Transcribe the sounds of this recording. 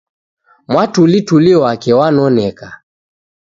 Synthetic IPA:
mwatulituliwakɛwanɔnɛka

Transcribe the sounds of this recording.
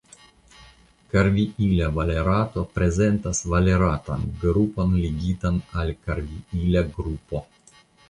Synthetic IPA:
kaɾviʔilʲavaleɾat̪opɾezent̪asvaleɾat̪a̰nɡɾuponliɡʲit̪analʲkaɾviilʲaɡɾupo

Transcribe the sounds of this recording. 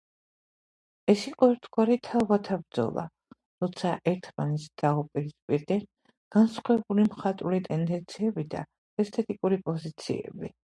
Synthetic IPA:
ɛsiqʼɔɛɾt̪ʰɡwaɾit̪ʰavat̪ʰabɾd̪zɔ̰lˠa̰ | ɾɔt̪sʰaʔɛɾt̪ʰmanɛt̪sd̪̥aupʼiɾispʼiɾd̪ɛn | ɡ̥ansχwɛbulimχat̪ʼulit̪ʼɛnd̪ɛnt̪sʰiɛbid̪a̰ | ɛst̪ʰɛt̪ʼikʼuɾipʼɔzit̪sʰḭɛ̰bi

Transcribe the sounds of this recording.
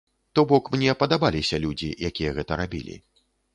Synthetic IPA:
t̪ɔbɔkmnʲɛpɐd̪abalʲisʲɐlʲud͡zʲḭjakʲijɐɣɛt̪ɐɾabʲḭlʲḭ

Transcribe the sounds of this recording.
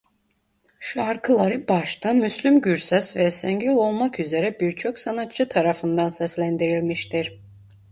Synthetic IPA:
ʃaɾkʰɯlˠaɾɯbaʃt̪ʰamyslʲymɟyɾsɛsvɛsɛɲɟylʲˠo̞lˠmakyze̞ɾɛbiɾt͡ʃʰo̞ksanat̪̚t͡ʃɯt̪ʰaɾafɯnd̪ansɛslʲænd̪iɾilʲmiʃt̪ʰiɾ̥

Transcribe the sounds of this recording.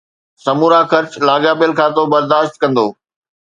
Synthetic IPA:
sɐmuːɾaxɐɾt͡ɕlaːɡjaːpɪəlkʰaːt̪obɐɾd̪aːʃt̪̚kɐ̃nd̪oː

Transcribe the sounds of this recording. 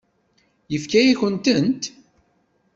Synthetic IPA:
jəfkæjiçənt̪ənt̪

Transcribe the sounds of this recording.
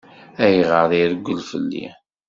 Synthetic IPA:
æjʁəɾðiðəɡʷːəlfə̰lːḭ

